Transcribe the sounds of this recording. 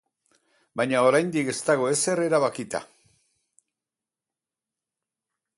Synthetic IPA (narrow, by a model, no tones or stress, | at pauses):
bajɲao̞ɾajnd̪ike̞st̪aɣ̞o̞e̞se̞re̞ɾaβakit̪a̰